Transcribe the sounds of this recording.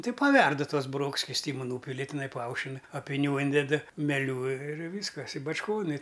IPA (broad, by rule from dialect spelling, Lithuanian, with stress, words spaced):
ˈtɐɪ pɐˈʋʲɛrdʊ ˈtuɔs bʊˈroːks sʲkʲɪsʲˈtʲiːmʊ ˈnuːpʲɪlʲɪ tʲɪˈnɐɪ pɐˈɐʊʃʲɪn ɐpʲɪˈnʲuː ˈiːnʲdʲɛt mʲɛˈlʲuː ɪr ˈʋʲiːskɐs ɪ bɐt͡ʃˈkoːn ɪ